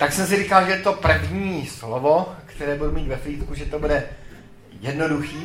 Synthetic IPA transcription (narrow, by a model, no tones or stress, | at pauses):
t̪aksɛmsɪɾiːkalʒɛt̪o̞pr̩vɲiːslovo̞kt̪ɛɾɛːbudumiːt̪vɛfliːt̪kuʒɛt̪o̞budɛ | jɛdno̞duxiː